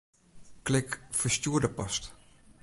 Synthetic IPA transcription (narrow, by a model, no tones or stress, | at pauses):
klɪkfəstuərdəpɑst